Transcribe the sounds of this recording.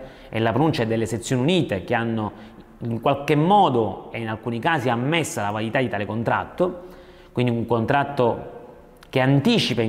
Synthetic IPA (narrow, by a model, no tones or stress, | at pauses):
ɛ̰lːapɾonunt͡ʃaed̪ːelːeset̪sːjoːniuniːt̪ek̟eanːo | iŋkwalkemːɔːd̪oeinalkuːnikaːsiamːesːalavaɾjit̪ad̪it̪aːlekont̪ɾa̰t̪ːo | kwind̪iuŋkont̪ɾat̪ːo | k̟eant̪iːt͡ʃipa